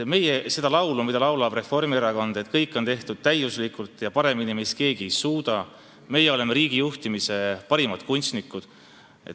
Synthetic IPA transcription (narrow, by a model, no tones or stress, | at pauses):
me̞jese̞d̪ɑlɑwlumid̪ɑlɑwlɑb̥re̞fo̞rmieɾɑkond̪̥e̞t̪kɤjkːˑo̞nt̪e̞ht̪ud̪̥̚t̪æjuslikult̪ːˑjɑpɑɾe̞minimeske̞ːɡ̥ie̞jsuːd̪̥ɑ | me̞jːeo̞le̞me̞ɾiːɡ̥ijuht̪imise̞pɑɾimɑt̪kunʲst̪nikːˑud̪̥ | et̪